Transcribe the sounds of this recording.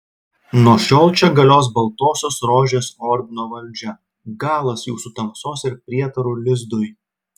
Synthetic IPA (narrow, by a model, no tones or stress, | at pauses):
nuɔʃʲoːlˠʲt͡ʃʲɛɡɐlʲoːsbɐlˠt̪oːsʲoːsɾoːʒʲeːsɔːɾʲb̪ʲɪnoːʋɐlʲd͡ʒʲɛ | ɡɑːlˠɐsjuːsʊt̪ɐmsoːsɪɾpʲɾʲiɛt̪ɐɾʊlʲɪzd̪ʊj